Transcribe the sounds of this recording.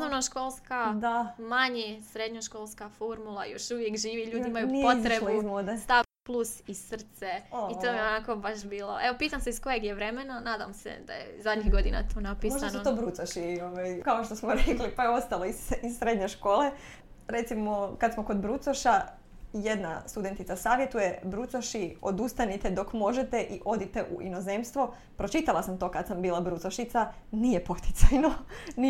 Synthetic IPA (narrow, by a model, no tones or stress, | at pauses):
snoʋnoʃkolˠskad̪amaɲesɾed̪ɲoʃko̞ːlˠskafoɾmulˠa̰jo̰ʃuʋjekʒiːʋiʎuːd̪iimajuniot̪ɾeluizmod̪est̪aplˠusissr̩t̪seit̪omjionako̞baʃbiːlˠoʔeʋo̞piːt̪amseisko̞jeɡjeʋɾe̞menanaːd̪a̰msḛd̪a̰jḛzad̪ɲiɣɡo̞d̪ina̰t̪oːnapimosd̪anot̪oːbɾut̪saʃioʋajkaoʃt̪o̞smoɾeklipajeo̞st̪alˠo̞isizsːɾed̪ɲeʃko̞ːle̞ | ɾe̞t̪simo̞kad̪smo̞ko̞d̪bɾut̪soʃa | je̞d̪na̰st̪ud̪e̞nt̪it̪sasaːʋje̞t̪uje̞bɾut̪soʃio̞d̪ust̪anit̪ed̪o̞kmo̞ʒet̪e̞ʔiʔo̞d̪it̪eʔṵʔḭno̞ze̞mst̪ʋo | pɾo̞t͡ʃit̪alasamt̪o̞kad̪sambiːlˠabɾut̪soʃit̪sanijepo̞t̪i̥t̪sajnoni